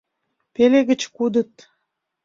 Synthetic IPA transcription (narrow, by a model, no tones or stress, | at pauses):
peleɣə̆t͡ɕkud̪ə̆t̪̚